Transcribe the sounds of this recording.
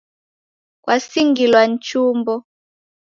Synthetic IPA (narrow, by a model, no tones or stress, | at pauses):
kwʔasiŋɡilwant͡ʃumbɔ